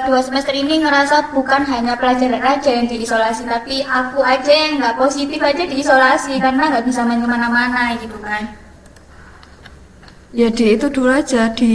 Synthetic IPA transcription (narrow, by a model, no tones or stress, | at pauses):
d̪̥uasəməst̪ɾiniŋəɾasab̥ukanɦaɲapəlḁd͡ʒ̥aɾanrḁd͡ʒ̥a̤jaŋd̪̥i̤isolasit̪apiʔakuad̥d͡ʒ̥aŋɡaʔposit̪ɪfḁd͡ʒad̪̥i̤ːsolasikarnaŋɡaʔb̥is̬amaɲəmanamanaikib̪umna | d͡ʒad̥iːt̪ud̥̪ulḁd͡ʒ̥ad̪̥i